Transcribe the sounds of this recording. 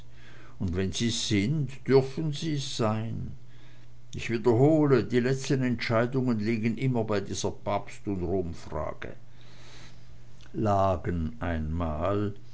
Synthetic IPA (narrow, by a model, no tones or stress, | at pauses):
ʊntvɛnziːz̥ɪntd̥ʏɐfənziːz̥aɪn | ɪçv̥iːdɐɦoːlədiːlɛt͡stənɛntʃaɪdʊŋənliːɡənʔɪmɐbaɪdiːzɐpʰapstʊntʁoːmfʁ̥a̰ːɡ̥ə̰ | aːɡənʔaɪnmaːl